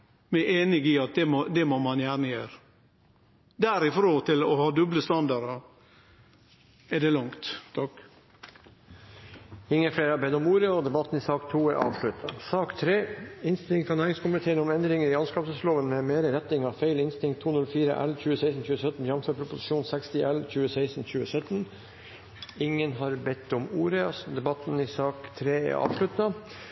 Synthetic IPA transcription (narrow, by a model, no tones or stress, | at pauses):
mɛʔeːnɪɡɪɑt̪̚d̪ɛmod̪ɛmomɑnjæːɳəjøːɾ | d̪æɾɪfɾoːt̪ʰɪlɔhɑːd̪ʉbləst̪ɑnd̪ɑɾɑ | ɛd̪ɛlɑŋt̪t̪ʰɑk | ɪŋːəfɽeːɾɑbɛnɔmuːɾəɔd̪ɛbɑt̪n̩ɪsɑːkt̪ʰuːɛʔɑ̰ːʋʂɭʉt̪ʰɑsɑːkt̪ʰɾeːɪnst̪ɪlɪŋt̪fʰɑnæːɾɪŋskʰʊmʋət̪ʰeːɾənɔmɛnd̪ɾɪŋəɾɪɑnskɑːpsəsloːʋənmɛmeːɾəɾɛt̪nɪŋɑʋfeɪlɪnst̪ɪŋt̪ʰːuːnʉlfiːɾə̰ʔɛ̰lçʉːəseæɪsn̩çʉːəsœt̪n̩jɑmføːɾpʰɾʊpʊsɪ̥ʃuːnsɛkst̪ɪʔɛlçʉːəseɪsn̩çʉːəsœt̪n | ɪŋːənɦɑɾbɛt̪ːɔmuːɾəd̪ɛbɑt̪nɪsɑːkt̪ʰɾeːɛ̰ɾʔɑ̰ːʋʂɭʉt̪ɑ